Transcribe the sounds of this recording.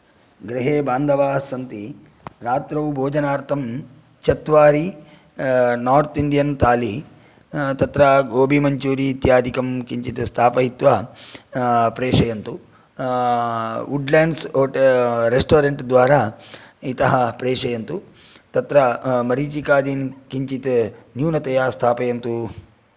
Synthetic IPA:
ɡɾiɦeːbaːnd̪ʱɐʋaːsɐnt̪i | ɾaːt̪ɾɐwbʱoːd͡ʒɐnaːɾt̪ʰɐm | t͡ʃʰɐt̪ʋaːɾi | naːɾt̪iɳɖijɐnt̪aːli | t̪ɐt̪ɾɐɡoːbʱimɐɲt͡ʃuːɾiːt̪jaːd̪ʱikɐmkiɲt͡ʃit̪est̪ʰaːpɐɦit̪ʋɐ | pɾeːʂɐjɐnt̪u | uɖlaːɳɖsoːʈɾesʈoːɾeɳʈd̪ʋaːɾaːit̪ɐɦɐpɾɛːʂɐjɐnt̪u | t̪ɐt̪ɾɐmɐɾiːt͡ʃikaːd̪inkiɲt͡ʃit̪ɐnjuːnɐt̪ɐjaːst̪ʰaːpɐjɐnt̪u

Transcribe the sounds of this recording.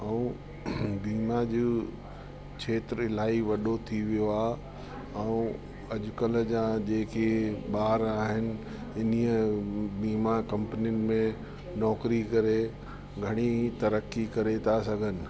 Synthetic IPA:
ɛũ | biːmad͡ʑuː | t͡ʃʰeːt̪ɾɪl̤aːiʋɐɗot̪ʰiʋijoaːɦ | ɛũ | ɐʄʊkəld͡ʑãd͡ʑeːkʰeɓaːɾaːɦɪnɪ̆ | ɪniəbiːmakɐ̃mpənijʊnɪ̆mẽ | nɔːkɾikɐɾe | ɡʱɐɽ̃it̪ɐɾəkːikɐɾet̪ʰasɐɡʱənɪ̆

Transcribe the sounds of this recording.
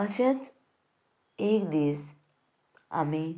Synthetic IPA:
əsãt͡s | ek̚d̪is | a̰mi

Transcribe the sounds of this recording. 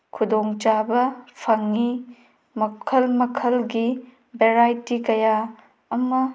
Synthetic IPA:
kʰudoŋt͡ʃabɐpʰɐŋːi | mɐkʰɐlmɐkʰɐlɡi | beɾajtikɐjaː | mɐ

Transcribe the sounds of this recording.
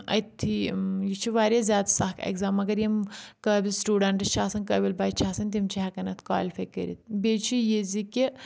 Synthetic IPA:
ɐ̰t̪ʰːijit͡ʃʰiʋaːɾʲazʲjaːd̪sɐhkʰḛkzaːmːɐɡɐɾjimkəːbʲisʈuːɖɐɳʈɐst͡ʃʰaːsɐnkɐːbʲilbaːjt͡ʃʰaːsɐnʲt̪̬ʲimt͡ʃʰiɦɐkɐnɐt̪ʰka̰ːlʲfɐjkə̰ɾḭt̪bʲeːt͡ʃʰijizikʲi

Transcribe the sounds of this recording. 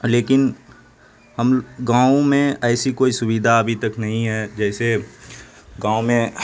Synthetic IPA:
leːkɪn | hɐmɡãːõmẽɛːsikoːisʊbid̪ʱaɐbʱit̪ɐknɐɦĩɦɛːd͡ʒɛːse | ɡãːomẽ

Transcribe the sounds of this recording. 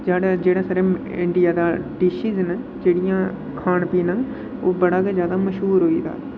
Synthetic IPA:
d͡ʒaːɽd͡ʒeːɽaːsəɾẽ | ɪ̃ɳɖijaːd̪aːɖɪʃiznə | d͡ʒeːɽijãː | kʰaːɽ̃piːnən | oːbɐɽaːɡezjaːd̪amɐʃɦuːɾɦoid̪a̰ː

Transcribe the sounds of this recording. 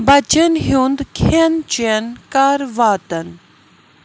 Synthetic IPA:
bɐt͡ʃɐnɦjũːnd̪kʰent͡ʃenkaːɾʋaːt̪ɐn

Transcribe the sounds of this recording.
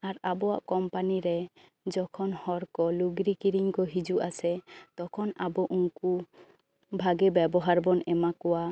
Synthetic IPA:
aɾabɔwa̰ʔkɔmpaniɾɛ | d͡ʒɔkʰɔnhɔɾkɔluɡɾikiɾiŋkɔɦid͡ʒuʔasɛt̪ɔkʰɔnabɔʔuŋku | bʱaɡɛbɛbɔɦaɾbɔnɛmakɔwa

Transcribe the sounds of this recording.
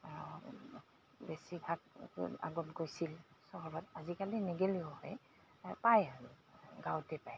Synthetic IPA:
besibʱak̚a̰ɡɔnkojsilsɔɦɔbatazikalinɛɡeliɔhɔj | pajal | ɡawtɛpaj

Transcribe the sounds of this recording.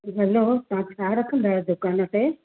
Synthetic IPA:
bʱɐlot̪ɐʋ̤ãt͡ɕʰaːɾɐkʰə̃nd̪aːed̪ʊkaːnəʈe

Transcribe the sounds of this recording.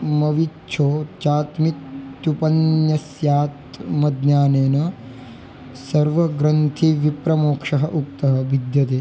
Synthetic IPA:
mɐʋitːt͡ʃʰoːt͡ʃaːt̪mitt͡ʃupɐnjɐsjaːt̪mɐd̪naːneːnɐ | sɐɾʋɐɡɾɐnt̪ʰiʋipɾɐmoːkʂɐɦɐʔuk̚t̪ɐɦɐ̆bid̪jɐt̪eː

